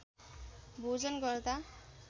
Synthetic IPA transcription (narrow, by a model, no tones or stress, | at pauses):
bʱod͡zʌnɡʌrd̪a